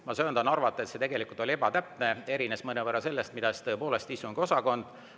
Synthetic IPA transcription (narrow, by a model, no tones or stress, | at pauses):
mɑsøːnd̪ɑnɑrvɑt̪ˑːe̞t̪se̞t̪e̞ɡ̥e̞likult̪ˑo̞lie̞bɑt̪æpne̞e̞ɾinesmɤnevərːɑse̞lːest̪̚mid̪̥ɑst̪ɤ̞e̞po̞ːle̞st̪isuŋɡ̥io̞sɑko̞nd̪̥